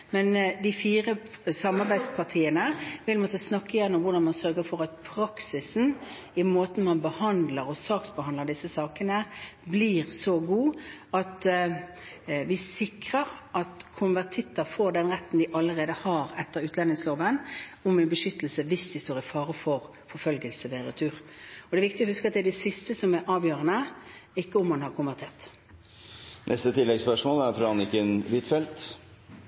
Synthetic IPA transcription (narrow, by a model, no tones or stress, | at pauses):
mɛnd̪ɪfiːʁə | sɑmːɑʁbæɪd̪spʰɑʁt̪ʰiːənəʋɪlmoːt̪əsnɑkːəjænːʊmʋʊɾɖ̪ɑnmɑnsœɾɡəfɔʁɑt̪̚pʰɾɑksɪsn̩ | ɪmoːt̪n̩mɑnbəhɑnd̪ləɾɔsɑːksbəhɑnd̪əd̪ɪsːəsɑːkənəbliːʁsɔɡuːɑt̪ | ʋɪsɪkʁəʁʔɑt̪kʰʊnʋæʁt̪ʰɪt̪ːəfoːd̪ɛnʁɛt̪ːn̩d̪ɪʔɑlːəʁeːd̪əhɑʁɛt̪ːəʁʉːt̪lɛnɪŋsloːʋənʊmɛnbəʃʏt̪ːəlsəʋɪsd̪ɪst̪oːʁɪfɑːʁəfɔʁ | fɔfœlɡəlsəʋɛɾət̪ʰʉːʁɔd̪ɛɾʋɪk̚t̪ɪɔhʉskəɑt̪̚d̪ɛd̪ɛsɪst̪əsɔmɛʔɑːʋjøːʁənəɪkːəɔmɑnhɑʁkʰʊnʋæʁt̪ʰeːʁt̪ | nʔɛst̪ət̪ʰɪlːɛɡspœʂmoːlæɾfɾɑːnɪkənʋɪt̪fɛlt̪